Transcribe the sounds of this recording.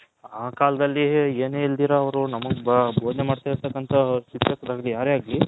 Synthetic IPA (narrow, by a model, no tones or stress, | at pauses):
aːkaːlɐd̪ɐlːieːneːild̪iːɾɐːʋɐɾunɐmɐɡbʱoːd̪nemaːɖt̪aːiɾt̪ʰɐkːɐnt̪ʰɐsit̪jɐkːɐd̪aːɡlijaːɾeaːɡli